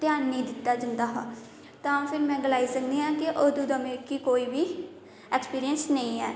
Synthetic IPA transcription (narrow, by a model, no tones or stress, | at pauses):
t̪ɪjaːnnĩːd̪ɪt̪ːaːd͡ʒənd̪aːɦãː | t̪ãːpʰɪɾmɛ̃ːɡəlaːisəkd̪iːɦãːkɪʔoːd̪uːd̪əmeːkiːkoːiːbiː | ɛːkspiːɾijənsnəĩːɦɛː